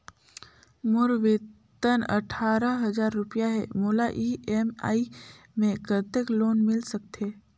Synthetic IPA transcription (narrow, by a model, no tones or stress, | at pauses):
mʊɾʋe | t̪ənə̰ʈʰaːɾəɦəzaːɾːʊpjaɦɛmoːlaʔiːema̰ːi | mẽkət̪ekloːnmɪlsək̚t̪eː